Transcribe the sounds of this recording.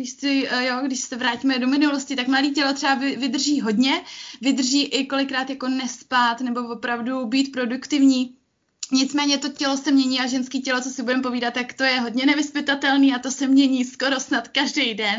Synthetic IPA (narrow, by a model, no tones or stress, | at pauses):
ɡdɪʃsɪjoɡdɪʃsɛvɾaːciːmɛdo̞mɪnuloscɪt̪akmladiːcɛlot̪r̥ɛvavɪvɪd̪r̩ʒiːɦo̞dɲɛvɪd̪r̩ʒiːʔɪko̞lɪkɾaːt̪jako̞nɛspat̪nɛbo̞vo̞pɾavdubiːt̪pɾo̞dukt̪ɪvɲiː | ɲɪt͡smɛːɲɛt̪o̞cɛlo̞sɛmɲɛɲiːaʒɛnskiːcɛlo̞t͡sosɪbudɛmpo̞viːdat̪ːakt̪o̞jɛɦo̞dɲɛnɛvɪspɪt̪at̪ɛlniːat̪o̞sɛmɲɛɲiːsko̞ɾo̞snat̪kaʒdɛjdɛn